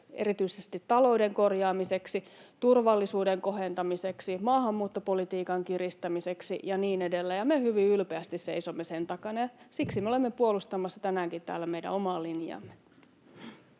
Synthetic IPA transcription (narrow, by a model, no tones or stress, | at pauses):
eɾit̪yisest̪it̪tɑlo̞ideŋkorjɑːmiseksit̪urʋɑlːisuːdeŋko̞ɦent̪ɑmiseksimɑːhɑmːuːt̪ːopolit̪iːkɑŋkirist̪æmiseksḭjɑniːnedelːæjɑmehyʋiylpeæst̪isseisomːesent̪ɑkɑnɑjɑsiksimeolemːepuolust̪ɑmːˑɑsːɑt̪ænæːŋkit̪t̪æ̰ːlːæmeidæ̰omɑlinjɑ̰mːe